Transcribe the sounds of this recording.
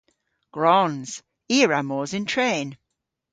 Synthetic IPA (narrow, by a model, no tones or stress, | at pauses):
ɡ̥ɹɔnz̥ | iəɹamɔːzɪ̃ntʰɹ̥ẽːn